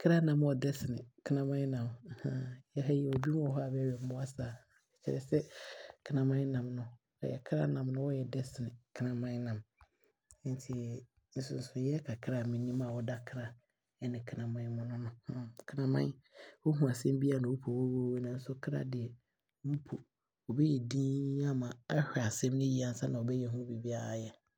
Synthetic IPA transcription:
kʰɾa˦nã˨m˦ɔ˨dɛ˦sɪ˨nɪ̃˨kʰɪ˦nã˦mã˦nã˨m˨hã˦jɛ˦ɦa˦ji˨wo˨bu˦m˦ɔ˨ɦɔ˦a˦˨bɛ˦ɥɛ˨m̩˦bʊ˦a˦saː˨ɛ˨t͡ɕʰɛ̰˦ɾɛ˨sɛ˦kʰnã˨mã˦nã˨mnʊ̃˦ | a̰˨jɛ˨kʰɾa̰˦nã˨mnʊ̃˦wɔ˦jɛ˨dɛ˦sɪ˨nɪ̃˨kʰnã˨mã˦nã˨m˦ | n˦tʰi˨ | n̩˦sʊ˦n̩˦sʊ˨jɛ˦kʰa˨kʰɾa˦˨mĩ˨nĩ˦mã˦˨wɔ˦da˦kʰɾa˨ | ɛ˦nɪ̃˨kʰnã˨mã˦nmʊ̃˦nʊ̃˦nʊ̃˦hkʰnã˨mã̰˦nwo˦ɦũ˨a˨sɛ̃˦mbi˦a˦˨nʊ̃˨wu˦pʰo˨wo˦wo˦we˦nã˨n̩˦sʊ˦kʰɾa̰˦dɪ˨ɛ˨˦ | mu˦pʰo˨ | ɔ˨bɛ˦jɛ˨dĩː˦a˦mã˨a˦hᶣɛ˨a˨sɛ̃˦m˦nɪ̃˦ji˦a˨n̩˦sa˦nã˨ɔ˨bɛ˦jɛ˨ɦũ˦bi˨bi˦a˦a˨jɛ˨

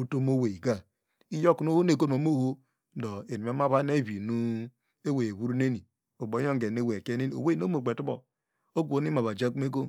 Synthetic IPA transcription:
u˦to˦mo˦we˨i˨ɡa˦ | i˦jo˦ku˨no˦ho˦ne˨ɡo˦˨o˨˦mo˦ho˦ | do˨e˨ni˨a˦ma˦βa˦ne˦˨βi˨nu˦ | e˦we˨e˨βu˦ɾu˦ne˦ni˨ | o˨bo˨˦o˦ŋ˦ɡe˨ne˦we˨ke˦ne˦ni˨o̰˨we˦no˦mo˨ɡ͡be˨tu˦bo̰˨ | o˦ɡu˦o˨ni˦ma˨βa˨d͡ʒa˦ku˦me˦ɡo˦

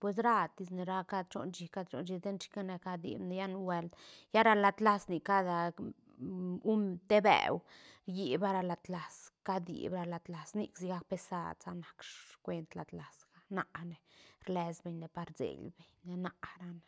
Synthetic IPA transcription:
pwe˧s̬ɾa˦˧t̪i˧sne˨ɾa˦ka˦d̪t͡ʃo̰˧nt͡ʃi˧ka˦d̪t͡ʃo̰˧˦nd͡ʒi˧d̪e˦nt͡ʃi̥˦ka˦ne˧ka˧d̪ḭ˨bne˧ja˦nwe˧ld̪ja˦ɾa˧la˨t̪la˦sni˨ka˦d̪a˧ | u˦mt̪e˦bḛ˨wɾji˨ba˦ɾa˧la˨˧t̪la˨ska˦d̪ḭ˨bɾa˧la˨d̪la˨snḭ˦ksi˧˦ɡa˧k̚pe˧sa̰˧d̪t͡sa˧na˨kʂkʷwe˧nt̪la˨d̪la˨sɡa˦na̰˨ʔne˨ɾle˧sbe˨ɲne˨pa˧ɾzḛ˨ɡlbe˨ɲne˧na˦ʔɾa˧ne˨

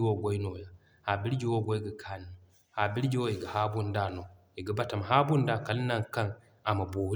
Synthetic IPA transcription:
wo˦ɡɔ˦jno˨ja˨ | ha˨bi˦ɾd͡ʒi˦wo˦ɡɔ˦jɡa˨kʰa˦n˨n˨ | ha˨bi˦ɾd͡ʒi˦wo˦i˨ɡa˨ha˦bu˦nda˦˨no˨ | i˨ɡa˨ba˦ta˨ma˨ɦa˦bu˦nda˨ka˨lna˦ŋka˦n | a˨ma˨boː˨˦

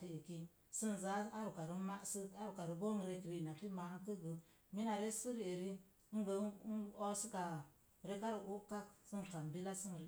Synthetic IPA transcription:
ti˨e˨ki˦ | sə˦n˨za˨˦a˦ɾu˨ka˨ɾi˦ma˦sə˦a˦ɾu˨ka˨ɾu˨bo˦ŋ˨ɾe˨kɾi˨na˨fi˦ma˨ha˦kə˦ɡə˨ | mi˦na˨ɾe˦su˦ɾi˨e˨ɾi˦ | ŋ˦ɡə˨˦o˦sə˦ɡa˨ | ɾe˦ka˦ɾu˨u˦ka˦ksə˦n˨ka˨m˨bi˦la˦sə˦nɾ

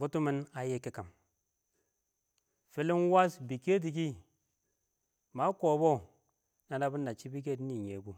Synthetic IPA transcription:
ɡu˦tu˦mi˦na˨je˦ki˦ka˨m | fi˨˦li˦n˦wa˦sbi˨ke˦d̬i˨k̬i˦ | ma˦ko˨bo˦ | na˨na˦bi˦nːa˨t͡ʃi˦bi˦k̬e˦tni˨ɲe˨ɡu˦

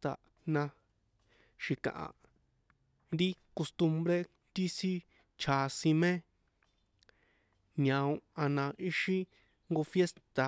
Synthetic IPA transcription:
t̪a̰˨ | nã˧ | ʃi˨kã̰˨ʔã̰˨ | ɾi˦ | ko˧st̪u˧mbɾe˦ | t̪i˦si˦ | t͡ʃʰa˨˧sĩ˧mẽ˦ | ɲã˧õ˧ã˧nã˧i˦ʃĩ˦ | ŋɡo˧fje˦st̪a˨

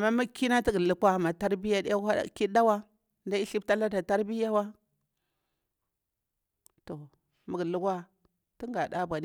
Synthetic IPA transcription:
a˨mːa˦mu˦kːi˦na˦ti˦ɡə˨lu˦kwa˦ma˨ta˦ɾbi˦ja˦da˦a˦a̰˦˨ki˦da˦wa˦ | nda˦i˦ɬi˦bta˦la˦da˨ta˦ɾbi˦ja˦wa˦ | to˨ | mə˨ɡlu˦ka˦ | ti˦ŋɡa˨ɗa˦bʷa˨di˦

